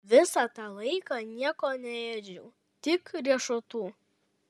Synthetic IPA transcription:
ʋʲɪsɑt̪ɑːlˠɐɪkɑnʲiɛkoːnʲɛeːd͡ʒʲṵː | t̪ʲɪkɾʲiɛʃot̪uː

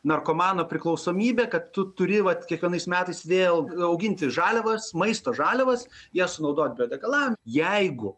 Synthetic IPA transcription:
nɐrkoːmɑːnoːpʲɾʲɪklˠɒʊsoːmʲiːbʲeːkɐt̪tʊt̪ʊɾʲɪʋɐt̪kʲiɛkʋʲiɛnɐɪsmʲæːt̪ɐɪsʋʲeːlˠɐʊɡʲɪnʲt̪ʲɪʒɑːlʲɛʋɐsmɐɪst̪oːʒɑːlʲɛʋɐsjiɛsʊnɐʊd̪oːt̪̚ʲbʲoːd̪ʲɛɡɐlˠɑːnʲjɛɪɡʊ

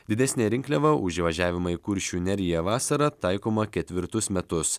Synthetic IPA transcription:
d̪ʲɪd̪ʲɛsʲnʲeːɾʲɪŋʲkʲlʲɛʋɐʔʊʒʲiʋɐʒʲæːʋʲɪmɐikʊɾʲʃʲuːnʲɛɾʲɪjɛʋɑːsɐɾɐt̪ɑɪkoːmɐkʲɛt̪ʲʋʲɪɾt̪ʊsmʲɛt̪ʊs

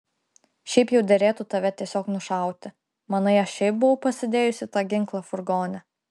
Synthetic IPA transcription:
ʃʲɛɪpjɛʊd̪ʲɛɾʲeːt̪ut̪ɐʋʲɛt̪ʲiɛsʲoːknʊʃɐˑʊt̪ʲɪ | mɐnɐɪɐʃʲɛɪp̚bʊʋɐʊpɐsʲɪd̪ʲeːjʊsʲɪt̪ɑːɡʲɪŋˑklˠɐfʊɾɡoːnʲɛ

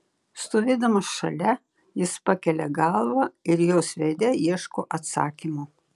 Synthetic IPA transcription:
st̪oːʋʲeːd̪ɐmɐsʃɐlʲɛ | jɪspɑkʲɛlʲɛɡɑlˠʋɑɪɾjoːsʋʲed̪ʲɛiɛʃkoːʔɐt̪sɑ̰ːkʲimo

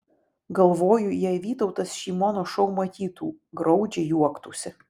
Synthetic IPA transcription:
ɡɐlˠʋoːjʊjɛɪʋʲiːt̪ɐʊt̪ɐsʃʲiːmoːnoːʃɔʊmɐt̪ʲiːt̪uːɡɾɐʊd͡ʒʲɛjuɔkt̪uːsʲɪ

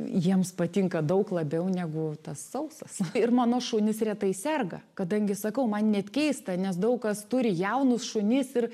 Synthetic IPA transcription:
jiɛmspɐt̪ʲɪŋkɐd̪ɐʊklˠɐbʲɛʊnʲæɡʊt̪ɐsːɐʊsɐsɪrmɑːnoːʃʊːnʲɪsrʲɛːt̪ɐɪsʲɛrɡɐ̰kɐd̪ɐŋʲɡʲɪsɐkɐʊmɐnnʲɛt̪ʲkʲɛɪst̪ɐnʲɛsd̪ɐʊkkɐst̪ʊɾʲɪjɛʊnʊsʃʊnʲɪsɪr

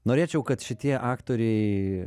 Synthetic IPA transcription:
noːɾʲeːt͡ʃʲɛʊkɐt̪ʃʲɪt̪ʲiɛʔɑːkt̪oːɾʲɛɪ

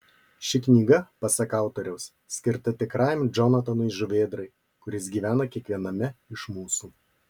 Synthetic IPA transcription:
ʃʲɪknʲiːɡɐpɐsɐkɑˑʊt̪oːɾʲɛʊs | sʲkʲɪɾt̪ɐt̪ʲɪkɾɑɪmd͡ʒɔnɐt̪ɐnʊɪʒʊʋʲeːd̪ɾɐɪ | kʊɾʲɪs̬ɡʲiːʋʲæːnɐkʲiɛkʋʲiɛnɐmʲɛɪʃmuːsuː

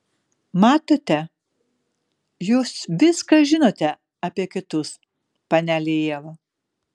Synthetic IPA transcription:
mɑːt̪oːt̪ʲɛ | juːsʋʲɪskɐʒʲɪnoːt̪ʲɛ | ɐpʲiɛkʲɪt̪ʊs | pɐnʲælʲɪjeːʋo

